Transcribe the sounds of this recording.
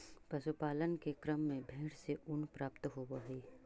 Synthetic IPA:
pɐsʊpaːlənkekɾəmːẽbʱeːɽseʔʊnpɾaːpt̪ɦoːbəɦiː

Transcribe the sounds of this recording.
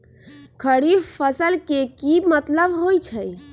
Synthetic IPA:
kʰəɽiɾpʰəsəlkekimət̪ləbɦojt͡ʃʰəj

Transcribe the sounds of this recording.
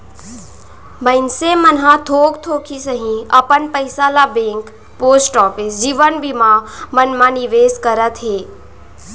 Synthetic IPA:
məɪnsemənɦãt̪ʰoːɡt̪ʰoːkʰisəɦĩɐpənpəjsalabẽːŋk | poːsʈɔːpisd͡ʒiːʋənbʱimãmənmãniʋeːskəɾət̪ɦeː

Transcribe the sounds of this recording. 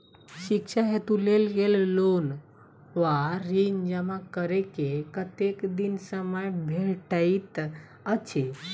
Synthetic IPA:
ɕikʂaɦet̪ũlelɡellon | ʋaɾiɲd͡ʑemãkəɾekekət̪ekd̪insəməjbʱeʈait̪ | ət͡ɕʰe

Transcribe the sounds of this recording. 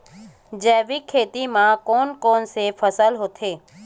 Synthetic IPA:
d͡ʒɛːʋikʰeːt̪imãkoːnkɔːnsefʰəsəlɦoːt̪ʰeː

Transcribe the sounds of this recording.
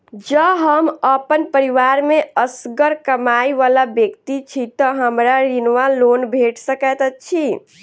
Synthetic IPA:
d͡ʒəɦəməpənpəɾiʋaɾmeəsɡəɾkəmajʋalabjəkt̪it͡ʃʰit̪əɦəmɾaɾinʋalonbʱeʈsəkɛt̪ət͡ʃʰi

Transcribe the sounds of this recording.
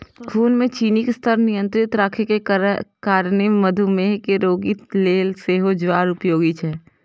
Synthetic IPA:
kʰuːnmẽt͡ʃiːnikst̪ʰəɾnɪjə̃nt̪ɾɪt̪ɾaːkʰekekaːɾneməd̪ʱumeɦkeɾoːɡit̪leːlseːɦod͡ʒʋaːɾʊpjoːɡit͡ʃʰɛː

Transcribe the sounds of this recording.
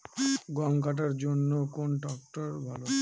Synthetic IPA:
ɡɔŋkaʈ̬aɾd͡ʑonːokonɖɔk̚ʈoɾbʱalo

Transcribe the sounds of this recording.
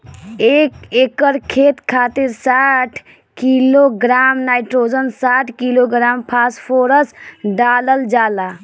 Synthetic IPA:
ekekəɾkʰet̪kʰat̪iɾsaʈʰ | kiloɡɾamnajʈɾod͡ʒənsaʈʰkiloɡɾampʰaspʰoɾəsɖaləld͡ʒala

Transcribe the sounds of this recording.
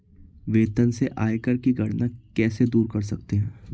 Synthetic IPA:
ʋeːt̪ənseʔaːekəɾkiɡʱɐɽnakɛːsed̪uːɾkɐɾsɐk̚t̪eɦɛ̃ː

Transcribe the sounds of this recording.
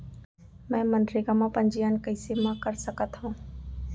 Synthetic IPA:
mɛ̃ːmənɖɾɪkãːmãːpə̃ɲd͡ʒijankəɪsemãːkəɾsəkət̪ɦũː

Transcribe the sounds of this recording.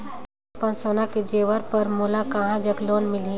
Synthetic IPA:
pə̃nsoːnaked͡ʒeːʋəɾpɐɾmolakɐɦãd͡ʒəɡloːnmɪli

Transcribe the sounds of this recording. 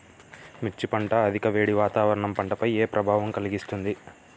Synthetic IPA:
mit͡ʃːipɐɳʈɐːd̪ʱikɐʋe̞ːɽiʋaːt̪aːʋɐɾɐɳɐmpɐɳʈɐpɐjeːpɾʔɐbʱaːʋɐmkɐliɡist̪und̪i

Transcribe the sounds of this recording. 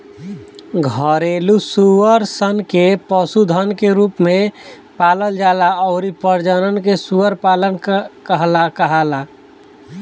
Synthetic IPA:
ɡʱəɾelusuəɾsənkepəsud̪ʱənkeɾupmẽ | paːləld͡ʒalaɔʊɾipəɾd͡ʒənənkesuəɾpalənkəɦlakəɦala

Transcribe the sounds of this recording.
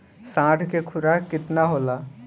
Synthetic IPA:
sãːʈʰkekʰʊɾakɪt̪naɦoːlaː

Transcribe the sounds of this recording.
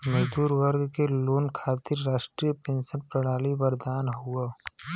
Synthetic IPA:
mɐd͡ʒd̪uːɾwəɾɡkeloːnkʰaːt̪ɪɾːaːʃʈɾijəpẽːnʃənpɾɐɽaːlibəɾd̪aːnɦoɡaː

